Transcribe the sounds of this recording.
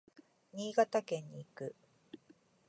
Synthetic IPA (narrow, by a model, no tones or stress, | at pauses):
ɲ̟iːɡat̪akẽ̞ɲːiːkɯ̟